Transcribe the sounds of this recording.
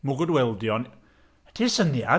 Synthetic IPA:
muɡɔdwɛlˠdjɔn | ədʰisənia̰

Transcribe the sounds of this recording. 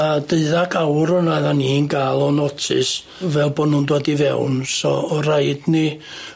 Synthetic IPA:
adeɨðaɡawɾɔnaðaninɡaːlˠɔnɔtʰɪ̰s | vɛlˠboːdnuːndwadivɛ̰wnsɔ̰ːɾajdni

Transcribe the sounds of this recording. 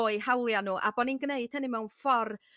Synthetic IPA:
oɨhawlˠjanuːʔa̰bɔninɡneɨd̥̚hənɪmɛwnfɔr

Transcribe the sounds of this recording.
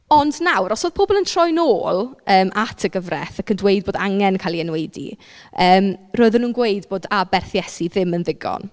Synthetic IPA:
ɔndnawɾɔsoːð̥pʰoːbɔlˠəntʰrɔjnoːlˠəːmʔatʰəɡəvrɛθakʰəndwejdboːdaŋɛnkʰalˠiənwejdḭ | əːmroːɨðənuːnɡwejdboːdabɛrθjɛsiðɪmənðɪɡɔ̰n

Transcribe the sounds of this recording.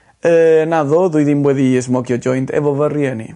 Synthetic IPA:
əːnaðɔðuɨðinwɛðiəs̬mɔɡjɔd͡ʒɔjntʰɛ̰vɔvərjɛnḭ

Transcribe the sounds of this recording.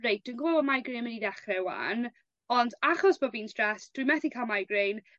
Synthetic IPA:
rejd̚d̥wuənŋɡvɔvɔmajɡɾenməniðɛχrɛwa̰n | ɔndaχɔsb̥oːviːnstɹɛsd̥wijmɛθikʰalˠmajɡrejn

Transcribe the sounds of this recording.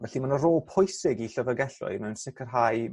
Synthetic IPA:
vɛɬimanəɾoːlˠpʰɔjsɪɡiɬəvəɡɛɬʊ̰ɨmɛwnsɪkʰərɦaɨ

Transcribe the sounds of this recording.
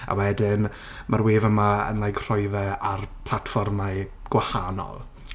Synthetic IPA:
a̰wɛdɪn | marweːvəmaə̰nlˠajɡr̥ɔjvɛarpʰlˠatfɔrmaɨ | ɡ̥wahanɔ̰lˠ

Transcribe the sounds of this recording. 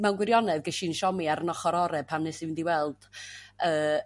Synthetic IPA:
mɛwnɡwɪɾjɔnɛðɡɛʃinʃɔmiaɾənɔχɔɾɔɾɛ̥pʰamnɛsivɨndiwɛlˠd̥əː

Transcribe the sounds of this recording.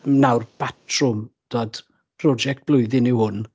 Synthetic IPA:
nawrb̥atʰrʊmd̥oːd̥ | pʰrɔd͡ʒɛk̚t̚b̥lˠʊɨðɪnɪwhʊn

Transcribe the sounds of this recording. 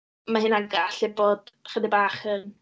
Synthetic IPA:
maɦɪnaɡaɬɪboːd̥χədɪbaːχən

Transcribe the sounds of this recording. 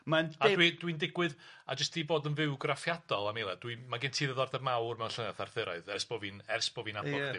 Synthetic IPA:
manadwid̥windɪɡwɨða̰d͡ʒəstʰiːboːdənvɪwɡrafjad̥ɔlˠamelˠɛd̥wimaɡɪntʰiːðəðɔrdɛrmawrmɛwnɬənɛθarθɨɾɔɨðɛrsb̥ɔvinɛrsb̥ɔvinabɔðɪ

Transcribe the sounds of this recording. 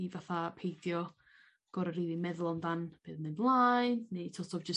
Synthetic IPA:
ivaθapʰejdjɔ | ɡ̥ɔɾəɾiːðˠimɛðlˠɔmdanb̥eːðmɨnlˠajnːetʰɔtʰɔvd͡ʒəs

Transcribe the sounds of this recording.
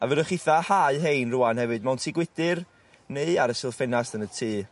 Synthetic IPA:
avədəχɪθahaɨɦejnrʊanhɛvɨdmawntʰiːɡwɪdɪr | neɨaɾəsɪlˠfɛnasənətʰiː

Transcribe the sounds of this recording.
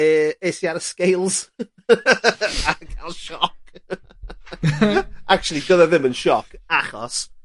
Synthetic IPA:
əːesjaɾəskejlˠz̥ | akʰalˠʃɔk | ʔak̚t͡ʃulˠidəðɛðɪmənʃɔkʰaχɔ̰s

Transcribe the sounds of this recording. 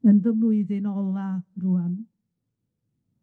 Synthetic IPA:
ənðəmluɨðenɔlˠaruan

